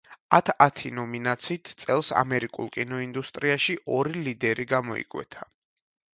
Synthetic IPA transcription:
at̪ʰat̪ʰinɔminat̪sʰiːt̪ʰt̪sʼɛlˠsa̰mɛɾikʼṵlˠkʼinɔind̪ust̪ʼɾiaʃiʔɔɾilid̪ɛɾiɡamɔḭkʼwɛ̰t̪ʰa

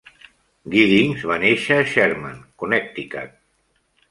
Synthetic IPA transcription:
ɡiðiŋzβaneʃəːʃɛɾmankunɛk̚t̪ika̰t̪̚

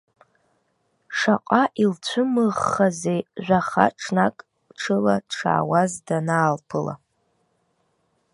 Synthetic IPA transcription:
ʂaqʷʼaʔilt͡ɕʷʰɨmɨʁːazejʒʷᶣaχa̰ʈ͡ʂʰnakʼ | ʈ͡ʂʰɨlaʈ͡ʂʰa̰ːwazdanaːlpʰɨla̰

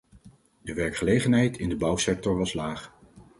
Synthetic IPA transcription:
dəʋɛɹkχəlejχənɦɛjtɪndəbɑwsɛk̚tɔɹʋɑslaːχ

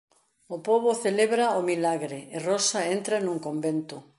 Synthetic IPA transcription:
opoβoθeleβɾaomilaɣɾeːrosaent̪ɾanũŋkombent̪ʊ

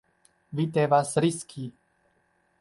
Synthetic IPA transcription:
vit̪ɛʋasɾiskʰiː

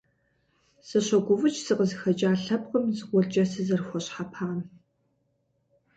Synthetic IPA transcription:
sɐɕɐɡʷʊvʊt͡ʃʰʼsɨqəzɨxɐt͡ʃʼaːɬɐp̚qʼəmzɨqʷɔɮt͡ʃʼɐsɨzɐrxʷɔɕħapʰaːn

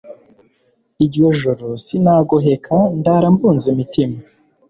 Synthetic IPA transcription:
iɾjo̞ʒuɾosinaːɡoɦekʰandaɾambuːnzemitima

